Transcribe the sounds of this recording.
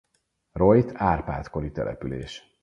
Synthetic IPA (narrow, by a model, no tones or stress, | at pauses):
rojt̪ʰaːrpa̰ːt̪ko̞ɾit̪ɛlʔɛ̰pylḛːʃ